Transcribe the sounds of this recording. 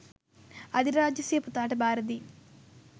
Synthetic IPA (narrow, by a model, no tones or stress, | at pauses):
ɐd̪iɾaːd͡ʒjɐseːput̪aːʈɐbaːɾɐd̪i